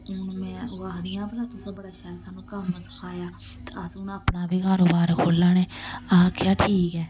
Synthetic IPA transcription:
ʊnmɛ̃ːʊaːɾɪjãːbəlãːt̪ʊsõːbəɽaːʃaːsaːnũːkəmːət̪kʰaːjaː | t̪eəsʊnəpnaːbiːkaːɾoːbaːɾkʰoːlːaːneːaːkjaːʈʰiːkɛː

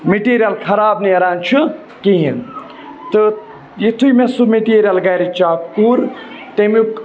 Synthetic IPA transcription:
meʈiːɾʲijɐlkʰɐɾaːbniɐɾaːnt͡ʃʰɨ | kiɦin | t̪ɨ | jit̪ʰuimesumeʈiːɾijalɡɐːɾit͡ʃaːpkuːɾ | t̪emik

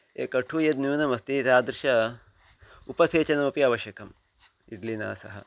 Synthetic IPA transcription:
eːkɐʈʰuːjɐd̪̚njuːnɐmɐst̪iːt̪aːd̪ɾɨʃɐ | upɐseːt͡ʃɐnɐmɐpiaːʋɐʃjɐkɐm | iɖlina̰ːsɐɦɐ̰

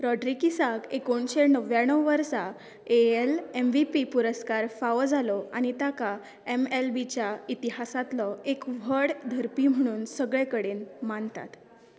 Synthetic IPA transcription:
ɾɔɖɾikisakekoɳɕenəʋjaɳ̃əwʋəɾsa | eelemʋipipuɾəskaɾfaʋd͡zʱalɔaɽ̃it̪aka | emelbit͡ɕjait̪iɦasat̪lɔekʋ̤ʱəɽd̪ʱəɾpiːm̤əɽ̃uːnsəɡɭekəɽeːnmant̪a̰t̪

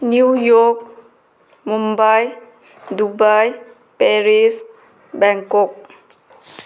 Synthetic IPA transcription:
njujɔk̚ | mũmbaj | dubaj | pɛɹis | bɛ̃ŋkɔk̚

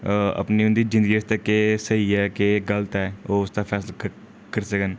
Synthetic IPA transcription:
ɐ̰pniʊ̃nd̪id͡ʒɪ̃nd̪əɡiəst̪ekesəɦiɛkeɡəlt̪ɛoːʊst̪afʰɛːs̬la | kəɾsəkən

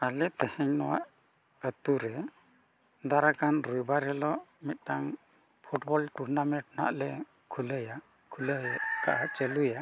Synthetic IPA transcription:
alɛt̪əhɛɲnɔwaʔ | ət̪uɾɛ | d̪aɾakanɾujbaɾɦɛlɔmit̪̚ˀʈaŋ | pʰuʈbɔlʈuɾnamɛɳʈ̚na̰ʔlɛ | kʰuləja | kʰuləjka̰ʔat͡ʃəluja

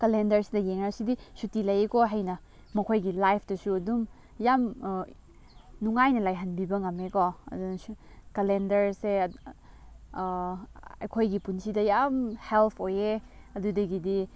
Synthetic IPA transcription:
kɐlendɐɾsidɐjeŋɾasidisutilɐjekoɦɐjnɐ | mɐkʰojɡilajpʰdɐsuɐdum | jam | nuŋajnɐlajɦɐnbibɐŋɐmekoɐ̰dunɐsukɐlendɐɾse | ɐ̰jkʰojɡipunsidɐjamhelpʰoje | ɐdudɐɡidi

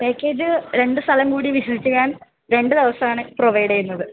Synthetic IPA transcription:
peːkːeːd͡ʑɨɾe̞ɳɖɨst̪ʰɐlɐmkuːɽiʋiɕɐsit͡ɕʲːukːaːn | ɾe̞ɳɖɨd̪eʋɐsɐmaːɳɨproʋɐjɽɐjunːɐðɨ

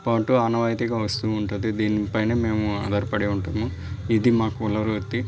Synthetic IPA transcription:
paːʈuɐnɐʋɐːjt̪iɡaːʋɐst̪uːɳʈund̪id̪iːnipɐjneːme̞ːmuɐ̰d̪ɐɾpɐɽiuɳʈaːmu | id̪imaːkuulɐɾut̪ːi

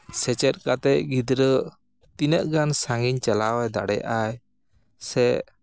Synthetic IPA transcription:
sɛt͡ʃɛt̪̚kat̪ɛʔ̚ɡid̪ɾə | t̪inəʔɡansaŋɡiɲt͡ʃəlawajd̪a̰ɽɛ̰ʔaj | sɛʔ

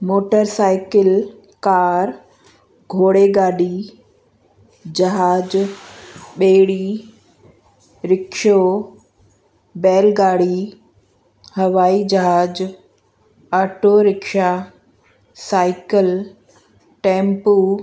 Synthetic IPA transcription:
moːʈəɾsaːɪkɪl | kaːɾ | ɡʱoːɽeɡaːɖi | d͡ʑɐɦaːd͡ʑ | ɓeːɽi | ɾɪkʃo | bɛːlɡaːɽi | hɐʋaːid͡ʑɐɦaːd͡ʑ | aːʈoɾɪkʃa | saːɪkəl | ʈɛ̃ːmpu

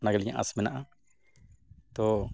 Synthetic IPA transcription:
naɡelɲã̰ʔa̰smɛnãʔa | t̪o

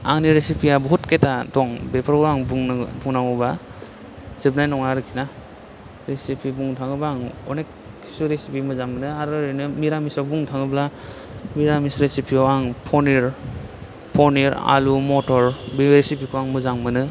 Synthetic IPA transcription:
a̰ŋniɾesipʰiabɔɦutketadɔŋbepʰaɾɔaŋbbuŋnaŋɔba | z̥ɯbnajnɔŋaɾɯkʰina | ɾesipʰibuŋtʰaŋɯbaŋɔnekʰː | i̥suɾesipimɯzaŋmɯnɯaɾɯɾɯnɯmiɾamisawbuŋtʰaŋɯbla | miɾamisɾesipʰiawaŋpʰɔniɾ | pʰɔɾniɾa̰lumɔtʰɔɾbiɾesipikʰuaŋmɯzaŋmɯnɯ

